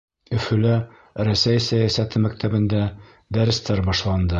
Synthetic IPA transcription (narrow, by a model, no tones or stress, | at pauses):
ɵ̆fɵ̆læ | ɾæsæjsæjæsæt̪ɘmækt̪ʰæbɘ̆nd̪æ | d̪æɾɘ̆st̪æɾbɒʃlˠɑnd̪ɤ